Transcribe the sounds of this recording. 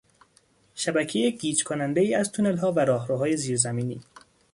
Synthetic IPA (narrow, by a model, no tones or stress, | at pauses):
ʃæbæcʰejeɡiːd͡ʒkʰonænd̪ejiːæzt̪ʰunelɦɒːvæɾɒːɦɾuːɦɒːjeziːɾzæmiːniː